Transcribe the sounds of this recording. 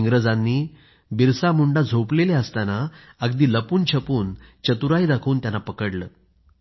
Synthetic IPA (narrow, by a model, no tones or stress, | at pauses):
ŋɡɾəd͡zãnːiː | biɾsamuɳɖad͡zʱopleleəst̪ana | əɡd̪iːləpuːnt͡ɕʰəpuːnt͡ɕət̪uɾajd̪akʰuːnt̪janapəkəɽləː